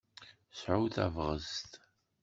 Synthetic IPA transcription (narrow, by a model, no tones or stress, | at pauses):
sʕuwθæ̰vʁə̰st̪